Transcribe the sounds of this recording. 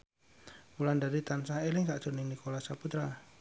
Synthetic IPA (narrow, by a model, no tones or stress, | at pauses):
ulandaɾit̪ansaɦelɪŋkaʔʒ̥urnɪŋnikolasaput̪ɾa